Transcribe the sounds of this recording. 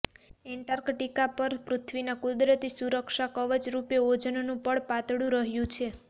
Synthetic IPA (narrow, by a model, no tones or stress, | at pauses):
eɳʈaɾkʈikapəɾpɾʊt̪ʰʋinakud̪ɾət̪isuɾəkʃakəʋəd͡ʒɾupeod͡ʒnonũpəɽpat̪ɽũɾəɦjũt͡ʃʰe